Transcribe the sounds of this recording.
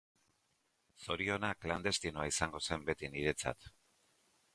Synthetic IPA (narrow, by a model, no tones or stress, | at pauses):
so̞ɾio̞nakland̪e̞st̪inoaisaŋɡo̞se̞mbe̞t̪iniɾe̞t͡sa̰t̪